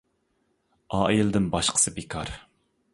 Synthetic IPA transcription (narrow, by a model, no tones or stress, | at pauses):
ɑːild̪ɪnbɑʃqʰə̥sɨbekʰɑɾ